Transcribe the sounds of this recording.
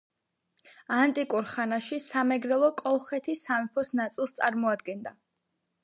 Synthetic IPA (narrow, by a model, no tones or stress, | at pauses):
ant̪ʼikʼuɾχanaʃisamɛɡɾɛlˠɔkʼɔlˠχɛt̪ʰisamɛpʰɔsnat̪sʼilˠst̪sʼaɾmɔad̪ɡɛnd̪a